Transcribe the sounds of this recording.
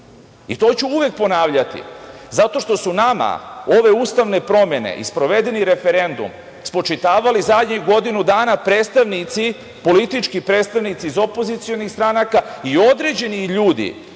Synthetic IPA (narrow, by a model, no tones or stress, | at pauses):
ḭt̪o̞t͡ɕuuʋe̞k̚po̞naːʋʎat̪ḭzat̪o̞ʃt̪o̞sunama̰o̞ʋe̞uːst̪aʋnepɾo̞me̞nḛʔḭspɾo̞ʋe̞d̪e̞niɾe̞fe̞ɾe̞nd̪ṵm | spo̞t͡ʃit̪aːʋalizad̪ɲeɡo̞d̪inud̪aːnapɾe̞ːt̪st̪aʋnit̪si | po̞lit̪it͡ʃkipɾeːt̪st̪aʋnit̪siːzo̞po̞zit̪sio̞nist̪ɾanakaio̞d̪ɾe̞d͡ʑe̞niʎuːd̪ḭ